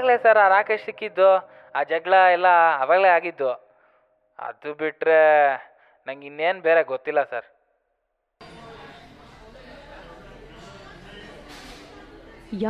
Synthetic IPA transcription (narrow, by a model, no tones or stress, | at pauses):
ɡleːsɐɾaːɾaːkeːʂsikːid̪ːo | aːd͡ʒɐɡɭɐɛlːɐːʋaːɡleaːɡid̪ːo | ɐ̰d̪ubiʈɾe̞ | nɐŋɡinːeːnbeːɾeɡot̪ːilːɐsɐɾ